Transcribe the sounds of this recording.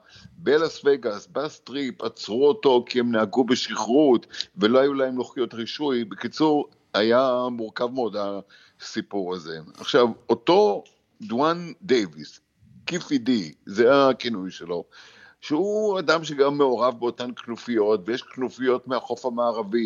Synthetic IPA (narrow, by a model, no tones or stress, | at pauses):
belasveɡasbast̪ʁipat͡sʁuoto̞kiemnaaɡubeʃiχʁutvelohajulaemloχijo̞tʁiʃujbekit͡suʁ | hajamuʁkavmeo̞da | sipuʁazḛa̰χʃavoto̞ | dwandejvis | kifidizeakinujʃelo̞ | ʃeuadamʃeɡamːeo̞ʁavbeo̞tanknufijo̞tvejeʃknufijo̞tmeaχo̞famaːʁavi